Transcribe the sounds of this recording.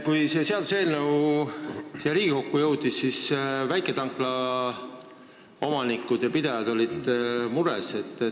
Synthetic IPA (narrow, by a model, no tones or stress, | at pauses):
kujse̞ːse̞ɑd̪̥use̞ːlnew | seɾiːɡiko̞kːujɤwd̪̥isːisvæjkˑet̪ɑŋkˑlɑ | o̞mɑnikːˑud̪̥jɑpid̪ejɑd̪̥o̞lʲid̪̥muɾḛse̞t̪ːˑ